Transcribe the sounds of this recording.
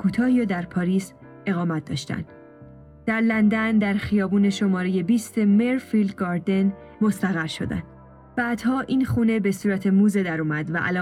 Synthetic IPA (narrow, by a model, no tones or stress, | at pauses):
kʰuːt̪ʰɒːhiːɾɒd̪æɾpʰɒːɾiːs | e̞ɣɒːmæt̪̚ʰd̪ɒ̰ːʃt̪æ̰nd̪̥ | d̪̥æɾlænd̪ænd̪æɾxijɒːbuːne̞ʃo̞mɒːɾeje̞biːst̪emeɾfild̪ɡɒːɾd̪e̞n | mo̞st̪æɣæɾʃo̞̰d̪æ̰nd̪̥ | b̥æːd̪̥hɒːʔiːnxuːne̞besuːɾæt̪ʰe̞muːzed̪æɾumæd̪væʔæ̰lɒ